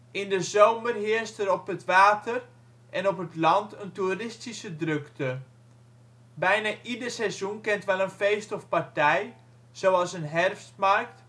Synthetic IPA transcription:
ʔɪndəzowmərɦɪərstəɾɔpətʋaːtʰər | ʔɛnɔpətlɑntənturɪstisədrøktʰə | bɛjnaʔidərsɛzjunkɪntʋɛlˠənfejstɔfpartɛj | z̥owɑlˠsənɦɛrfstmɑrk̚t

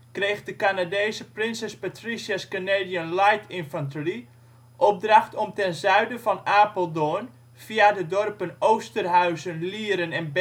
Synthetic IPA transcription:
krejxdəkanadeːsəprɪnsɛspatrisjaskəneːdianlajtʰɪnfəntri | ʔɔp̚draχtɔmtɛnzœɥdəvɑnaːpolˠdon | v̥iadədɔrpənowstərɦœɥzənliəɾənɛnb

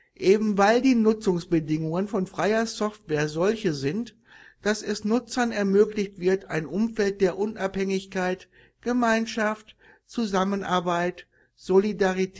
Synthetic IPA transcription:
ʔeːbm̩vaɪldiːnʊt͡sʊŋsb̥ədɪŋʊŋənfɔnfʁ̥aɪɐsɔftv̥eːɐzɔlçəzɪnt | d̥asɛsnʊt͡sɐnɛɐmøːklɪçtv̥ɪɐtaɪnʔʊmfɛlt̚d̥eːɐʔʊnʔaphɛŋɪçkaɪt | ɡ̥əmaɪnʃaft | t͡suzamənʔa̰ɐbaɪt | z̥olidaʁitʰ

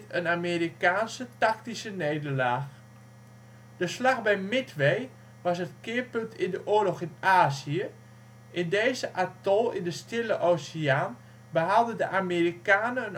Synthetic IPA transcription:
tənamerikaːnsətak̚tisəneːdəlaːx | d̥əslaxbɛjmɪtʰʋej | ʋɑsətkɪːpøntʰɪndəʔoːəlɔxɪnaːziə | ʔɪndeːzəʔatɔlˠɪ̰ndəstɪləʔosiaːn | bəɦalˠdədəʔamerikaːnəən

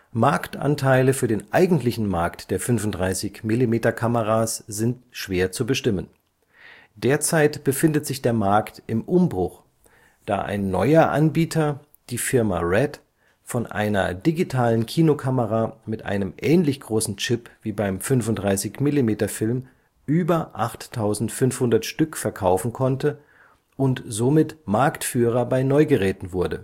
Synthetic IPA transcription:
maɐktʔa̰ntʰaɪləfyːɐdeːnʔaɪɡŋ̩tlɪçn̩maɐktd̥eːɐfʏnvʊntd̥ʁaɪsɪçmilimeːtɐkʰaməʁ̞aːsz̥ɪntʃv̥eːɐt͡subəʃtɪmən | d̥eːɐt͡saɪtb̥əfɪndətz̥ɪçd̥eːɐmaɐktʔɪmʔʊmbʁʊχ | d̥a̰ːʔa̰ɪnːɔ̰ʏɐʔa̰nbiːtʰɐ | d̥iːfɪɐma̰ʁɛt | fɔnʔa̰ɪnɐ̰diɡitʰaːlənkʰiːnokʰaməʁaːmɪtʔa̰ɪnəmʔɛːnlɪçɡ̥ʁoːsn̩t͡ʃɪpv̥iːbaɪmfʏnfʊntd̥ʁaɪsɪçmɪlimeːtɐfɪlm | ʔyːbɐʔaχtʰːaʊzn̩tfʏnfhʊndɐtʃtʏkfɛɐkʰaʊfn̩kʰɔntə | ʔʊntz̥omɪtmaɐktfyːʁ̞ɐbaɪnɔʏɡəʁɛːtn̩vʊɐdə

